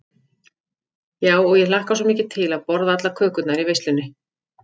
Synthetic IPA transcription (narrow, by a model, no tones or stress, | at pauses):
jaːwɔɣjɛlahkas̬ɔmiːcɪt̪ʰɪlaðpɔɾðaat̪lakʰœːkʏt̪naɾivejst̪ɪnːɪ